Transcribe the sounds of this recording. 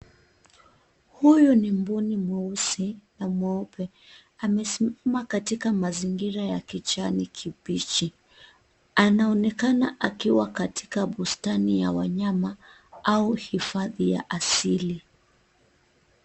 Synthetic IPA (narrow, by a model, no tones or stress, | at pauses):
hujunimbunimuusinamwɛupɛ | amɛsimamakatikamaziŋɡiɾajakit͡ʃanikʰipit͡ʃi | anaɔnɛkanaʔakiwakati̥kaɓustanijawaɲama | auhifaðija̰ʔasili